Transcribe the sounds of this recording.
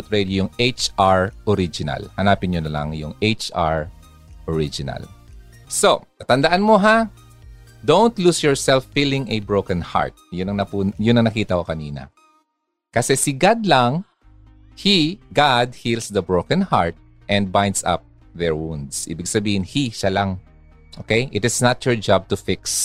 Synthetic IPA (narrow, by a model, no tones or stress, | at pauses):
t̪̚ɹɛd̪jojʊŋʔet͡ʃaɹʔɔɾid͡ʒɪnɐ̰lhɐnaːpɪnɲonɐla̰ŋjʊŋejt͡ʃʔa̰ɹ | ʔɔɹid͡ʒɪnɐ̰l | so̞k̪ɐt̪ɐnd̪ɐʔanmoɦa | d̪õwnt̪lusjɔɹsɛlfːilɪ̃ŋɛbɹowkɐnha̰ɹt̪̚jʊnɐŋnɐpujʊnːɐŋnɐkiːt̪ɐhokɐniːnɐ̰ | kɐsɛsɪɡad̪laŋ | hiɡad̪̚hilsd̪ɐbɹoʊkɐ̃nha̰ɹt̪̚ | ʔɛ̃nd̪̚bãjnd̪sa̰p̚ | ðɛɹwũnd̪sʔḭːbɪɡsɐbiːhɪnhiʃalaŋ | ʔo̰ːkejʔɪt̪ɪsnat̪jɔɹd͡ʒab̚t̪ʊfɪks